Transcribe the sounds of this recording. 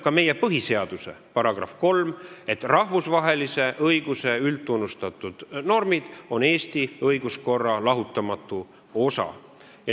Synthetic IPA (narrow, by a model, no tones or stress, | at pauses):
kɑme̞je̞pɤɦise̞ɑd̪̥use̞̰pɑɾɑɡ̥rɑ̰fko̞lme̞t̪ːrɑhvusvɑɦe̞lise̞ʔɤjɡ̥use̞ylt̪ːˑunːust̪ɑt̪ːˑud̪̥no̞rmid̪̥o̞ne̞ːst̪iɤjɡ̥usko̞rːɑlɑɦut̪ːˑɑmɑt̪ːˑu | o̞sɑ̰ | jɑ